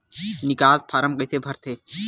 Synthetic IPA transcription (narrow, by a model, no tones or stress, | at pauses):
nɪkaːlpʰaːɾəmkəit̪ʰebʱɐɾt̪ʰeː